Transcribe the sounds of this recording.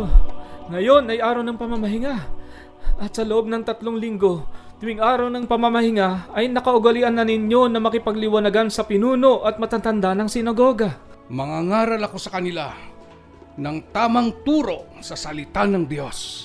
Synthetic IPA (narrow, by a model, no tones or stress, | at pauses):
ŋɐjo̞nɐjʔaːɾɐwnɐŋpɐmɐmɐɦɪŋa | ʔɐt̪̚sɐloʔo̞b̚nɐŋt̪ɐt̪lo̞ŋlɪŋɡo̞d̪̥ʊwɪŋʔaːɾɐwnɐŋpɐmɐmɐhɪŋaɐjnɐkɐʔʊɡɐliʔɐnːɐnɪɲjo̞nɐmɐkɪpɐɡlɪwɐnɐɡansɐpɪnuːno̞ʔɐt̪̚mɐt̪at̪ɐnd̪anɐŋsɪnɐɡo̞ːɡa | mɐŋaŋaːɾɐlɐko̞sɐkɐnɪla | nɐŋt̪aːmɐŋt̪uːɾo̞sɐsɐlɪt̪anɐŋd̪jo̞s